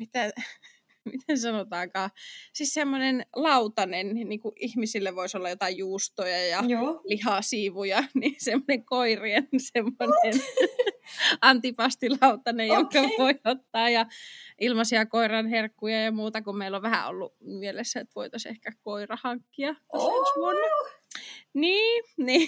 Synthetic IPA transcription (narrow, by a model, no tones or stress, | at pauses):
mit̪æ | mit̪ensɑnot̪ɑːkɑːsissemːonenlɑut̪ɑnenniːŋkuʔihmisilːeʋʋoisolːɑjot̪ɑjjuːst̪ojɑjɑlihɑsiːʋujɑnisemːoneŋkoiriensemːonen | ɑnt̪ipɑst̪ilɑut̪ɑnejjoŋkɑʋoiot̪ːɑːjɑʔilmɑsiɑkoirɑnherkːujɑjɑmuːt̪ɑkumeiloʋʋæhæ̰o̰lːumielesːæet̪ʋo̰it̪osḛhkækoirɑhɑŋkːiɑkosmonː | niːni